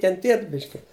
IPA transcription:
kʲɛnʲˈtʲiɛt ˈbʲɪʃʲkʲɪ

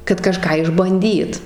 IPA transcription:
kɐt kɐˈʃkɑː ɪʒbɐnʲˈdʲiːt

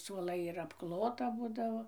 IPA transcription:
suɔˈlˠɐɪ ɪr ɐpˈklˠoːtɐ ˈbuːdɐʋoː

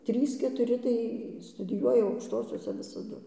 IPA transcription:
ˈtʲrʲiːs kʲɛtʊˈrʲɪ tɐɪ stʊdʲɪˈjuɔjɛ ɐʊkʃˈtoːsʲoːsʲɛ ʋʲɪsɐˈdʊ

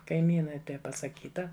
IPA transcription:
kɐɪˈmʲiːnɐɪ ˈtɐɪ pɐsɐˈkʲiːtɐ

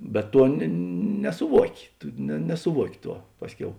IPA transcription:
bʲɛt ˈtuɔ nʲɛ nʲɛsʊˈʋuɔkʲɪ ˈtʊ nʲɛ nʲɛsʊˈʋuɔkʲɪ ˈtuɔ ˈpɑːsʲˌkʲɛʊ

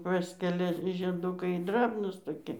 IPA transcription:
ˈpɑːsʲkʲɛlʲɛ ʒʲiɛˈdʊkɐɪ ˈdrɑːbnuːs toːˈkʲɪ

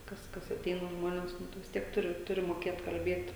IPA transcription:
ˈkɐs kɐs ɐˈtʲɛɪnɐ ˈʒmoːnʲeːs ˈnʊ tʊ ʋʲɪs ˈtʲiɛk ˈtʊrʲɪ ˈtʊrʲɪ moːˈkʲeːt kɐlʲˈbʲiɛt

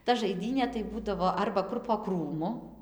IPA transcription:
tɐ ʒɐɪˈdʲiːnʲeː tɐɪ ˈbuːdɐʋoː ˈɐrbɐ ˈkʊr poː ˈkruːmʊ

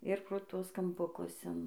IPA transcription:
ɪr proː ˈtuɔs kɐmpʊˈkʊs ɪn

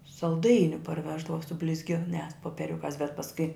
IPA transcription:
sɐlˠˈdɐɪnʲʊ pɐrʲˈʋʲæːʒdɐʋɐ sʊ bʲlʲɪzʲˈɡʲɪnʲæːs poːpʲiɛˈrʲʊkɑːs bʲɛt pɐsˈkʊɪ

